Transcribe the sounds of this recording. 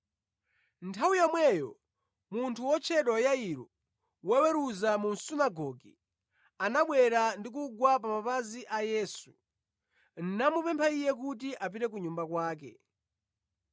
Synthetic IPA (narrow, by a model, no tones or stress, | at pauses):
ntʰawuijɔmwɛjɔ | muntʰuwɔt͡ʃʰɛɗwajaiɾɔ | wɛwɛɾuzamun̩sunaɡɔɡḭ | anaɓwɛɾandik̬uɡwap̬amapaziʔajɛːsu | n̩namupɛmpʰaijɛk̬ut̬iʔapiɾɛk̬uɲumbakwaːkɛ̰